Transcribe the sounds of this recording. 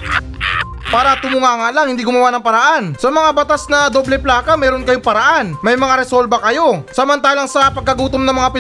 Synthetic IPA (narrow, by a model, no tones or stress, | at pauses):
paːɾɐt̪ʊmuŋaːŋalaŋhɪnd̪iːɡʊmɐwaːnɐŋpɐɾɐʔansɐmɐŋabɐt̪asnɐd̪oːblɛplaːkɐmɛːɾonkɐjopɐɾɐʔanmɐjmɐŋaɾɛsolbɐkɐjo̞sɐmɐnt̪aːlɐŋsɐpɐɡ̚kɐɡuːt̪omnɐŋmɐŋapɪ